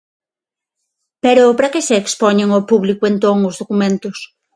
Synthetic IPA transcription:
peɾopɾakeseːkspoɲeŋopuβlikʊent̪oŋʊzðokumẽnt̪ʊs

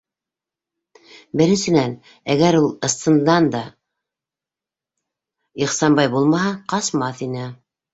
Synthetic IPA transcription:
bɘ̆ɾɘ̆nsɘ̆næn | æɣæɾulˠɤ̆st̪ɤ̆nd̪ɑnd̪ɑ | iχsɑmbɑjbulˠmɑɦɑqɑsmɑθinɘ

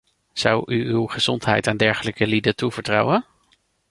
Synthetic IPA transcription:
z̥ʌwʔyywχəz̥ɔntɦɛ̰jtaːndɛɹχələkəlidətuv̥əɹtrɑwən

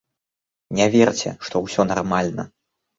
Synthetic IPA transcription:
nʲavʲɛrt͡sʲɛ̰ʂt̪ɔwsʲɔnarmalʲnɐ̰

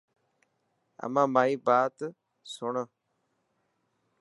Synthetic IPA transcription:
ə̰mãːmaːiːbaːt̪ | sʊɳə

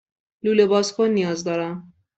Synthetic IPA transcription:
luːlebɒːskʰonːijɒːzd̪ɒːɾæm

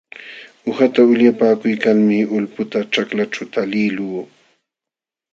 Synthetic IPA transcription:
ʊxat̪aʊʎjapaːkʊjkaŋmɪʊlpʊt̪aʈ͡ʂaklaʈ͡ʂawt̪alɪluː

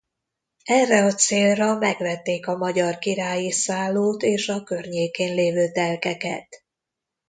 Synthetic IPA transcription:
ɛrːɛɒt̪seːlrɒmɛɡvɛt̪ːeːkɒmɒɟɒrkiɾaːjisaːloːt̪eːʃɒkørɲeːkeːnleːvøːt̪ɛlkɛkɛ̰t̪

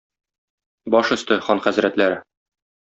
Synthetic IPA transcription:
bɒʃɵ̆st̪ɘχɒnχæzɾæt̪læɾɘ

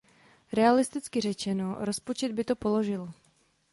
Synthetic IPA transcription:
ɾɛalɪst̪ɪt͡skɪr̝ɛt͡ʃɛno̞ɾo̞spot͡ʃɛd̪̚bɪt̪opo̞lo̞ʒɪl

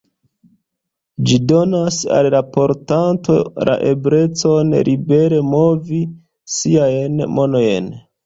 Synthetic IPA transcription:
d͡ʒido̞nasa̰llapo̞ɾtanto̞̰la̰ʔe̞bɾe̞t͡so̞nɾʔibe̞ɾe̞mo̞vi | siajnmo̞nojḛn

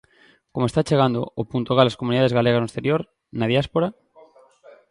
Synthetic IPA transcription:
komoest̪at͡ʃe̞ɣ̞and̪o̰opunt̪oɣalaskomuniðaðe̞zɣaleɣaznoest̪e̞ɾjoɾ | naðjaspoɾa

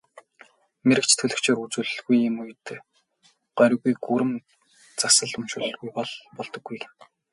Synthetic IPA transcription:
meɾɘ̆k̚t͡ɕʰt̪ʰɵɮɘ̆kt͡ɕʰeːɾut͡suːɮɵ̆ɮɣujɪ̆mujt̪ː | ɢ̥œɾ̆ʲɣujɡuɾɘ̆m | t͡sasə̆ɮʊmʃʊt̪ɵ̆ɮɣujpɔɮpɔɮt̪ɞ̆ɡːuj

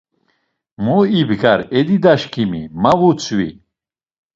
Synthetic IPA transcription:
muibɡaɾɛd̪id̪aʃkʰimimavut͡sʰwi

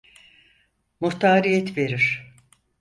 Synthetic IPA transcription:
muht̪aːɾijɛt̪ʰve̞ɾiɾ̥

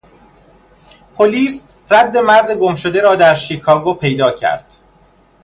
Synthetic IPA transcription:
pʰoliːs | ræd̪ːe̞mæɾd̪e̞ɡomʃod̪e̞ɾɒːd̪æɾʃiːkʰɒːɡopʰe̞jd̪ɒːcʰæ̰ɾd̪̥

